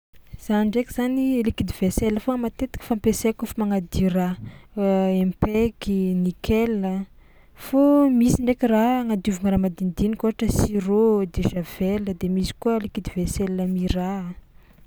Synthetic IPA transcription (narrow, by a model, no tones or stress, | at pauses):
z̥aniɳɖ͡ʐekiz̥anilikid̪iveselːəfomat̪et̪i̥kə̥fampesekufamaŋad̪ira | empɛkinikʰɛlːə | fomisiɳɖ͡ʐekiraŋad̪iuvuŋəɾamad̪ind̪inikoɦaʈ͡ʂəsirod̪eʒav̥ɛləd̪emisi̥kuəlikid̪ivesɛlːəmira